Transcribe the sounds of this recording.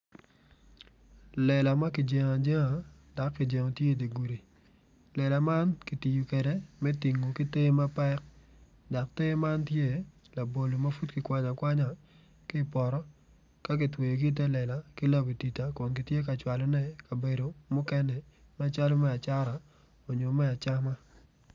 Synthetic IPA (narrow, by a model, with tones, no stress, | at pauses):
lɛ˨la˨ma˦kɪ˨d͡ʒe˨ŋa˨d͡ʒe˦ŋa˨ | d̥a˨kːɪ˨d͡ʒe˨ŋo˨tje˦˨de˨ɡu˨ɾi˨ | lɛ˨la˨ma˦nki˨ti˨ju˨kɛ˨dɛ˦mɛ˦ti˨ŋːo˨ki˦te˦ma˦pɛ˦k̚ | da˨k̚te˦ma˦ntje˦ | la˨bo˨lo˨ma˦fu˦tkɪ˨kwa˨ɲa˨kwa˦ɲa˨ | kɪ˦˨pɔ˨ɾɔ˦ | ka˦kɪ˨twe˨jo˨ɡi˦t̬ɛ˦lɛ˨la˨kɪ˦la˦be˨ti˨ta˨kɔ˨nki˨tje˦k̬a˨t͡ʃwa˨lɔ˦nɛ˦ka˨be˨do˨mʊ˦kɛ˦nɛ˨ | mɛ˦t͡ʃa˦lo˦mɛ˦a˨t͡ʃa˦ɾa˨ | o˨ɲo˨mɛ˦a˨t͡ʃa˦ma˦